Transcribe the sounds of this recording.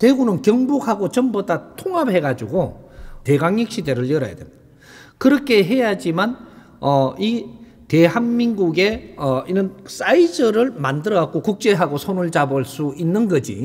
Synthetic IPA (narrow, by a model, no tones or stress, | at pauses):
twe̞ɡunɯnkjʌŋbukhaɡot͡ɕʌmbodatʰoŋɦaphe̞ɡad͡ʑuɡote̞ɡaŋjik̚ɕ͈ʰide̞ɾɯɭjʌɾa̰ja̰dwemd̥a | kɯɾʌkʰe̞ɦe̞jad͡ʑiman | ʌi | te̞ɦanminɡuɡe̞ʌinɯns͈aid͡ʑʌɾɯɭmandɯɾʌɡak͈okuk̚t͡ɕ͈e̞ɦaɡosʰonuɭd͡ʑaboɭs͈uinːɯnɡʌd͡ʑḭ